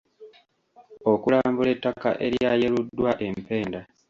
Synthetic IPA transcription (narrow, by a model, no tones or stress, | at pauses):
o̞kulaːmbuletːaka̰ʔe̞ɾjaːjeludːwaʔe̞mpe̞ːnda